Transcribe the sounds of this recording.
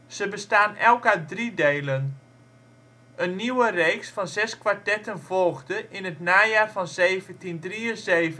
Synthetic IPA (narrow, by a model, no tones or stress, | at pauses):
z̥əbəstaːnɛlˠkadrideːlən | ənːiwərejksfɑnzɛskʋartɛtənvɔlˠɣdəʔɪnətnaːjaːrvɔnzeːvəntindriəzeːvə